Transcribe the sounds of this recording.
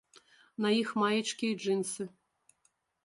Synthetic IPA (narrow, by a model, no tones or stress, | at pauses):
nɐjixmajɐt͡ʂkʲiʐɨnsɨ